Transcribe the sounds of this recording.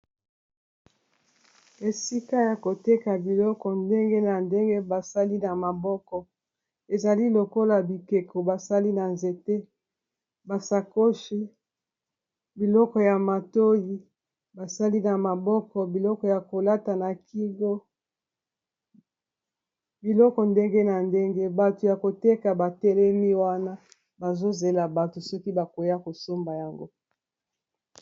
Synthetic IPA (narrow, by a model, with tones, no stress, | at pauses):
e˨si˦ka˦ja˨ko˨te˦ka˨bi˨lɔ˦kɔ˨nde˦ŋɡe˦na˨nde˦ŋɡe˦ba˨sa˦li˦na˨ma˨bɔ˦kɔ˨ | e˨za˨li˦lo˨ko˦la˨bi˨ke˨ko˨ba˨sa˦li˦na˨nze˨te˦ | ba˨sa˨ko˦ʃi˦ | bi˨lɔ˦kɔ˨ja˨ma˨to˦ji˦ | ba˨sa˦li˦na˨ma˨bɔ˦kɔ˨bi˨lɔ˦kɔ˨ja˨ko˨la˦ta˨na˨ki˦ɡo˦ | bi˨lɔ˦kɔ˨nde˦ŋɡe˦na˨nde˦ŋɡe˦ba˨to˨ja˨ko˨te˦ka˨ba˨tɛ˦lɛ˦mi˦wa˦na˦ | ba˨zo˦ze˨la˨ba˨to˨sɔ˦ki˦ba˨ko˨ja˦ko˨so˦mba˨ja˨ŋɡo˦